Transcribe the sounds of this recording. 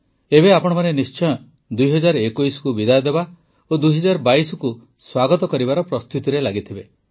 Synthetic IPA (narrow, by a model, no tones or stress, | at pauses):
ebeapɔɽ̃ɔmanenist͡ʃɔjɔ | d̪ujɦɔd͡ʒaɾɔekujsɔ̥kubid̪ajɔd̪eba | od̪ujɦɔd͡ʒaɾɔbaisɔku | swaɡɔt̪ɔkɔɾibaɾɔpɾɔst̪ʰut̪iɾelaɡit̪ʰibe